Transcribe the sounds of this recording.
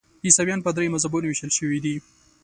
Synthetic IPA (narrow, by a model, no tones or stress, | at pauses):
isawjɑnpəd̪ɾemazabunwiʃəlʃəwid̪i